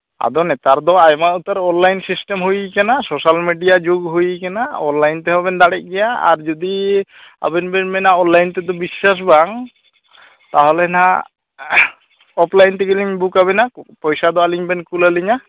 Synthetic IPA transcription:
a̰d̪ɔnɛt̪aɾd̪ɔajmaut̪aɾɔnlajnsisʈemɦujikanasosalmiɖijad͡ʒoɡɦujkanaɔnlajnt̪ɛɦɔbɛnd̪aɽɛc̚ɡɛjaa̰ɾd͡ʒɔd̪ia̰bɛnbɛnbɛnaɔnlajnt̪ɛd̪ɔbisːas̬baŋ | t̪aɦɔlɛna | ɔplajnt̪ɛkiliɲbukaβɛnapɔjsad̪ɔaliɲbɛnkulaliɲa

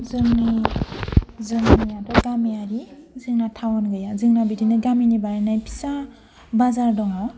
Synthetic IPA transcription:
zɯŋni | zɯŋnijatʰɔɡamijaɾizɯŋnatʰawɔnɡɯjazɯŋnabidinɯɡaminibaɾinajpʰi̥sa | bazaɾdɔŋaw

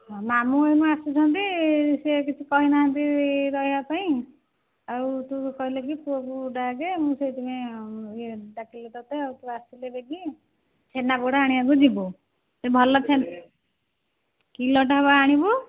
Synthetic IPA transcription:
ɔmamuejmɔ̃asut͡ʃʰɔ̃nt̪isekit͡ʃʰikɔɦinaɦãnt̪iɾɔjɦapaĩ | aut̪ukɔɦilek̬it̪uɔkuɖaɡemũset̪imeeɖakilet̪ɔt̪eaut̪uasilebeɡi | t͡ʃʰenabuɽaaɽ̃iaɡud͡ʒibu | sebʱɔlɔt͡ʃʰen | kilɔʈaɦbaaɽ̃ibu

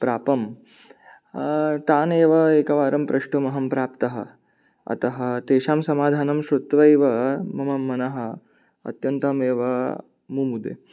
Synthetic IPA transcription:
pɾaːpɐm | t̪aːneːʋɐeːkɐʋaːɾɐmpɾʔɐʂʈumɐɦɐmpɾaːpt̪ɐɦɐ̰̆ | ɐ̰t̪ɐɦɐ̆t̪eːʃaːmsɐmaːd̪ʱaːnɐmʃɾut̪ʋɐjʋɐmɐmɐmːɐnɐɦɐ | ɐ̰t̪jɐnt̪ɐmeːʋɐ | mumud̪ḛː

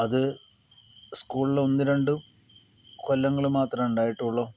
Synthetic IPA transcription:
ɐðɨ | skuːɭilo̞nːiɾeɳɖu | kolːɐŋːɐɭumaːt̪rɐmuɳɖaːjiʈːuɭːo̞ː

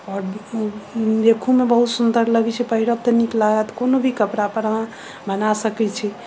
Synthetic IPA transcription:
ɔɾ | lekʰumebəɦut̪sund̪əɾləɡɛt͡ʃʰɛpəɦiɾəbt̪əniklaɡət̪konobʱikəpɾapəɾã | bənasəkɛt͡ʃʰɛ

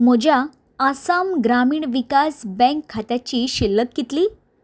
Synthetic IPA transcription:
m̤əd͡ʑja | asamɡɾamiːɳʋikasbɛ̃ŋkʰːat̪jat͡ɕiːɕilːək̪̚ɡit̪liː

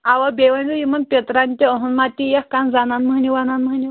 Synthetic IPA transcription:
aʋabeʋənd͡zəjimənpʲet̪ɾanʲt̪ʲiəɦunmat̪ijəhkand͡zananməniʋananməni

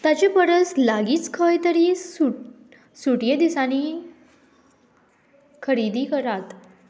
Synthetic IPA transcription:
t̪at͡ɕepəɾəslaɡiːt͡skʰəjt̪əɾiːu | suʈjed̪isaniː | kʰəɾid̪iːkəɾat̪

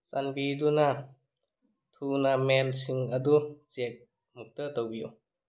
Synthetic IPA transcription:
sanbiduna | tʰunamelsiŋɐduzek̚ | muk̚tətawbiju

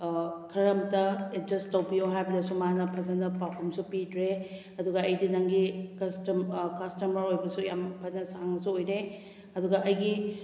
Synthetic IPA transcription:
kʰɾɐɾɐmtɐed͡ʒɐstɐwbijoɦajbɐdɐsumanɐpʰɐzɐnɐpapʰumsupidɾe | ɐduɡɐːjdinaŋɡikɐstmkɐstɐmɐɾojbɐsujampʰɐnɐsaŋɐsuojɾe | ɐduɡɐʔɐjɡi

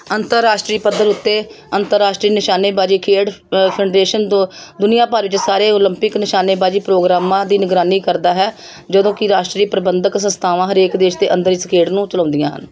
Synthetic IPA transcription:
ənt̪əɾːaːʃʈɾiːpəd̪ːəɾʊt̪ːeː | ənt̪əɾːaːʃʈɾiːnɪʃaːneːbaːd͡ʒiːkʰeːɖpʰɛːɖɾeːʃənd̪d̪ʊnɪjãːpaːɾʋɪt͡ʃsaːɾeːoləmpɪknɪʃaːneːbaːd͡ʒiːpɾoːɡɾaːmãːd̪iːnɪɡɾaːniːkəɾd̪aːɦɛː | d͡ʒəd̪õːkɪɾaːʃʈɾiːpɾəbənd̪əksə̃nst̪ʰaːʋãːɦəɾeːkd̪eːʃt̪eːʔənd̪əɾɪskʰeːɖnũːt͡ʃələ̃ːnd̪ɪjãːɦə̰n

